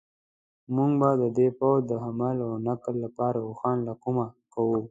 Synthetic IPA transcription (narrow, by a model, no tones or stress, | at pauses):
mʊŋɡbad̪əd̪epawzd̪əɦamalawnaklːapɑɾauxɑnlakumakawu